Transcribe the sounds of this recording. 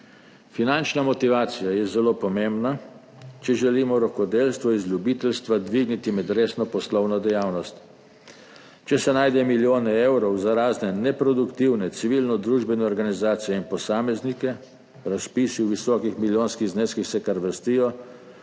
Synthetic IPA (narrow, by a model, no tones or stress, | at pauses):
finant͡ʃnamɔt̪iʋaːt̪sijajɛzɛloːpɔmembna | t͡ʃɛʒɛliːmɔɾɔkɔd̪elst̪ʋɔizlʲjubiːt̪ɛlst̪ʋad̪ʋiɡnit̪imɛd̪ɾeːsnɔpɔslɔwnɔd̪ɛjaːwnɔst̪ | t͡ʃɛsɛnajd̪ɛmiljoːnɛɛwɾɔwzaɾaːznɛnɛpɾɔd̪ukt̪iwnɛt̪siʋilnɔd̪ɾuːʒbɛnɛɔɾɡanizaːt̪sijɛinpɔsaːmɛznikɛ | ɾaspiːsiwʋisɔːkixmiljoːnskiɣzneːskixsɛkaɾʋəst̪iːjɔ